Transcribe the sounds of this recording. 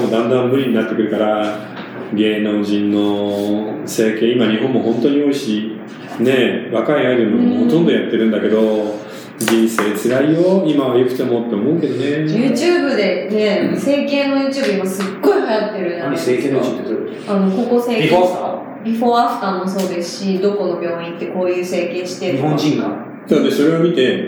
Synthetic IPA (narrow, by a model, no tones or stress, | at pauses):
mod̪ãnd̪ãmmɯ̟ɾʲiɲ̟inat̪ːe̞kɯ̟ɾɯ̟kaɾa | ɡe̞ːnõ̞ɲ̟d͡ʑĩnːo̞ | se̞ːkẽ̞ːimaɲ̟iɦõ̞mːo̞hõ̞nt̪o̞ɲ̟io̞iɕi | ne̞βakaiaid̪enomho̞t̪õ̞nd̪o̞jat̪ːe̞ɾɯ̟̃nd̪ake̞d̪o̞ | d͡ʑĩɰ̃se̞ːt͡sɨɾaijoimaβajo̞kɯ̟̥t̪e̞mo̞t̪ːe̞omo̞ɯ̟ke̞d̪o̞ne̞jɯ̟ːt͡ɕɨːbɯ̟d̪e̞ne̞se̞ːkẽ̞nːo̞jɯ̟ːt͡ɕɨːbɯimasɨɡːo̞ihajat̪ːe̞ɾɯ̟naekeo | anoko̞ko̞seːik | bʲiɸo̞ːaɸɯ̟̥k̪ammːoso̞ːd̪e̞sɨ̥ɕid̪o̞ko̞no̞bʲjo̞ːĩnt̪ːe̞ko̞ːjɯ̟ːse̞ːkẽ̞ɰ̃ɕi̥t̪eɲihõnd͡ʑĩŋa | d̪anod̪eso̞ɾe̞omʲit̪e̞